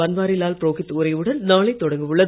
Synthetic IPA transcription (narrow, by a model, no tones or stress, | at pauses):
ɐnʋaːɾɪlaːlpɾoːɣɪt̪ːɾɐɪʋɯɽɐnnaːɭɐɪt̪ːɔɽɐŋɡɯʋɯɭːɐ